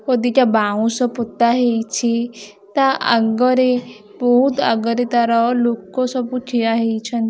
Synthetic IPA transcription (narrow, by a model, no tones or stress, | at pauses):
hod̪it̪jabaũsɔput̪ːaɦejt͡ʃʰi | t̪aʔə̰ɡəɾe | bɔɦut̪a̰ɡəɾet̪aɾalokɔsɔputʰiaɦet͡ʃʰən